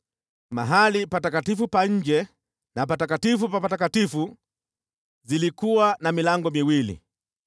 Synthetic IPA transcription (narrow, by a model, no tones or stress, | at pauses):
ma̰ɦalipatakatifupaɲ̩d͡ʒɛ | nap̬atakatifupapatakatifu | zilikuwanamilaŋɡɔmiwilḭ